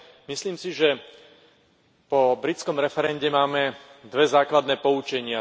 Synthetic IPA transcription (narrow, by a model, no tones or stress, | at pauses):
misliːmsiʒɛ | pɔbɾit͡skɔmɾɛfɛɾɛɲɟɛmaːmɛd̪ʋɛzaːklad̪nɛːpɔut͡ʃɛɲɪa